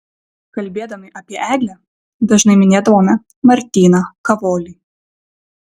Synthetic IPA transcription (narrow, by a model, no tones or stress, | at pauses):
kɐlʲbʲed̪ɐmʲɨʔɐpʲiʔæɡlʲɛ | d̪ɐʐnɨmʲɪnʲɛd̪ɔmʲɛ | mɐrt̪ʲinɐkɐvɔlʲi